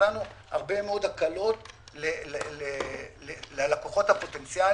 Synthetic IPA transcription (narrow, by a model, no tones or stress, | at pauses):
anuha̰ʁbe̞meo̞d̪akalo̞tlelelelelealakoχo̞t̪hapo̞t̪e̞nt͡sja